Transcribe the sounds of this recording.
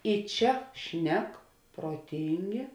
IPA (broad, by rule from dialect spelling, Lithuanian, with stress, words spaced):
ɪ ˈt͡ʃʲɛ ˈʃʲnʲɛk proːˈtʲiːŋʲɡʲeː